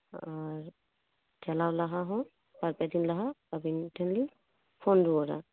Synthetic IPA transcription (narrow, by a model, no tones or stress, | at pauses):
aɹ | d͡ʒɛlawlaɦaɦɔ̃ | baɹpadinlaɦababintʰɛnli | pʰɔnduɔɾa̰